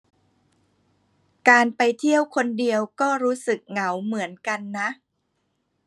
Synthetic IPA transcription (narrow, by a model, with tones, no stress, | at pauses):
kaː˧npa˧jt̪ʰi˥˩əwkʰo˧ndi˧əwkɔː˥˩ɾuː˦˥sɯ˨˩k̚ŋa˩˦wmɯ˩˦ənka˧nːa˦˥ʔ